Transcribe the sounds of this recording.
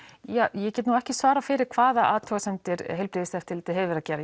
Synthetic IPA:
jaːjɛcɛːt̪nuɛhcɪsvaːɾafɪɾɪɾ̥kʰv̥aːðaʔa̰ːt̪ʰœɣasɛnt̪ɪɾɦɛlpɾɪðɪst̪ɛft̪ɪlt̪ʰɪɦɛvɪɾaðcɛːɾa

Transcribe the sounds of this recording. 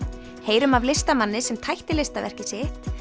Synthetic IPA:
heːjɾʏmavlɪst̪amanːɪsɛmt̪ʰajht̪ɪlɪst̪avɛ̰r̥cɪ̥sɪht̪

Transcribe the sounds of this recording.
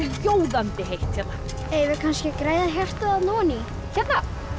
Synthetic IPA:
ɪljoːwðant̪ɪhejht̪çɛt̪na | eːjvɪkʰanscɪkɾaːjðaɦɛr̥t̪aðaðnɔːni | çɛt̪na

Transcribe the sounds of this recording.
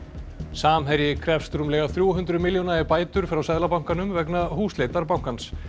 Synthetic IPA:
saːmɦɛɾjɪkʰɾɛfst̪ɾumlɛːɣaθɾjuwɦʏnt̪ɾʏmɪljɔnaɛɾpaːjt̪ʏɾ̥fɾawsɛðlapawŋ̥kanʏmvɛknaɦuːsleːjt̪aɾpawŋ̥kans

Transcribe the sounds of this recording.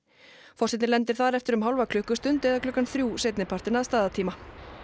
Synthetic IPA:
fɔrsɪt̪nlɛnt̪ɪɾ̥θaɾɛft̪ɪɾʏmɦawlvakʰlʏhkʏst̪ʏnt̪ɛðakʰlʏkːanθɾjuːseːjt̪nɪpʰaɾ̥t̪ɪnaðst̪aːðat̪ʰiːma

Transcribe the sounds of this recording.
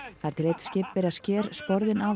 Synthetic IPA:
θaɛɾ̥t̪ʰɪlejt̪scɪpːɪɾascɛːɾspɔɾðɪna

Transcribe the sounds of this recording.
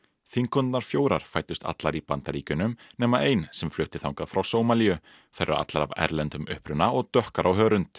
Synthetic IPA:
θiŋkɔnt̪naɾ̥fjoːwɾaɾ̥faːjt̪ʏst̪a̰t̪laɾipant̪aɾiːcʏnʏmnɛːmaejnsɛmflʏht̪ɪθawŋkafɾawsoːwmalijʏ | θɛɾʔʏ̰a̰t̪laɾa̰vɛ̰ɾlɛnt̪ʏmʏ̰hpɾʏnːaɔɣt̪œhkaɾʔawɦœːɾʏnt̪

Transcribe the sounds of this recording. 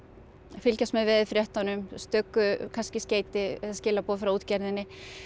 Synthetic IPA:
fɪlcasmɛðvɛðɪfɾjɛht̪anʏmst̪œkːʏkʰanscɪsceːjt̪ɪɛðascɪːlapɔːðfɾauːt̪cɛɾðɪnːɪ

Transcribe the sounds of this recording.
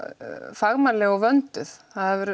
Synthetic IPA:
faɣmalɛɣɔɣvœnt̪ʏθhaðavɛɾ

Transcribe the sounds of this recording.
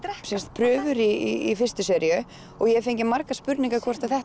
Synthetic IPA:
sɛnst̪̚pʰɾʏːvʏɾiiːfɪrst̪ʏsɛɾjʏ | ɔɣjɛfejɲcɪmaɾkaspʏɾniŋkakʰvɔr̥t̪aθɛht̪

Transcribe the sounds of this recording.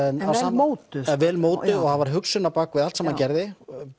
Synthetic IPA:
ɛnasoːwt̪ɪvɛːlmoːwt̪ɪðɔɣhavaɾ̥ɦʏksʏnːapakvɪðalt̪sɛmhancɛɾðɪ

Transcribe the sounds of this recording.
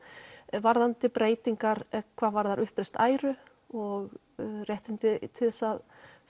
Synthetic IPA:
vaɾðant̪ɪpɾeːjt̪iŋkaɾkʰvaːðvaɾðaɾʔʏhpɾejst̪aːjɾʏ | ɔɣ | rjɛht̪ɪnt̪ɪt̪ʰɪðsað

